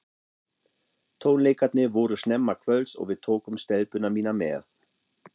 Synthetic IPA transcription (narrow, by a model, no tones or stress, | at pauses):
t̪ʰoːnlekat̪nevoːɾəʃnɛmːakʰvœlso̰ːvet̪ʰoːkʊmʃtɛlpønamiːnamɛ̰ːɐθ